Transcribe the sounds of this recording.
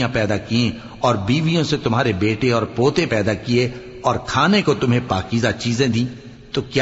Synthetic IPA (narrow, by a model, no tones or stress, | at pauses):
jãpɛːd̪akiẽ | ɔːɾbiːʋijõset̪ʊmɦaːɾebeːʈeɔːɾpoːt̪ẽpɛːd̪akie | ɔːɾkʰaːnekot̪ʊmɦẽpaːkiːzat͡ʃiːzẽd̪ĩː | t̪okj